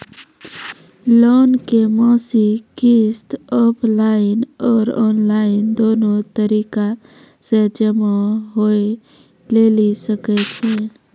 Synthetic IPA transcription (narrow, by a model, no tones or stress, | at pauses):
loːnkemɔːsikist̪ɔːpʰlaːɪnɔːɾɔːnlaːɪnd̪oːnot̪əɾiːka | sed͡ʒəmaɦoe | lelisəkɛt͡ʃʰe